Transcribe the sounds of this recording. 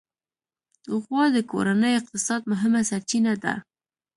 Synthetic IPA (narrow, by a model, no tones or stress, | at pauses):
d̪̥əɣwɑd̪əko̰ɾanəjoɪq̚t̪ɪsɑd̪̚mʊɦɪmasaɾt͡ʃinad̪a̰